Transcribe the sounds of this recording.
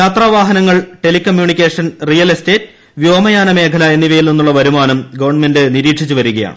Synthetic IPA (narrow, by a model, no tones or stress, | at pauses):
jaːt̪raːʋaːɦɐnɐŋːɐɭʈe̞likːɐmjuːɳikʲːe̞ːʂɐnrijɐlesteːtː | ʋjo̞ːmɐjaːnɐme̞ːkʰɐlɐe̞nːiʋɐjilninːuɭːɐʋɐɾumaːnɐmɡɐʋɐrɳme̞ndɨniɾiːʈʂit͡ɕːuʋɐɾuɣɐja̰ːɳɨ̰